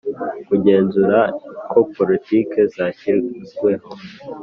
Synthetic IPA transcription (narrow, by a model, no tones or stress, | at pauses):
kuɟe̞ːnzuɾakʰo̞po̞litike̞zaçiɾzɡwe̞ho